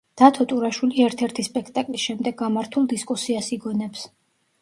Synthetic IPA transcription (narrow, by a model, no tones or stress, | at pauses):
d̪̥at̪ʰɔt̪ʼuɾaʃwiliɛɾt̪ʰɛɾt̪ʰispʼɛkʰt̪ʼakʼlisʃɛmd̪ɛɡːamaɾt̪ʰulˠd̪iskʼusiasiɡɔnɛps